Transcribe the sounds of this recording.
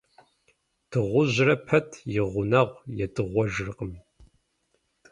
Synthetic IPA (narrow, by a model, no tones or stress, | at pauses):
d̥ɨʁʷʊʑrɐpʰɐtʰjɪʁʷʊnɐʁʷjɛdɨʁʷɔʒrɨqʼəmi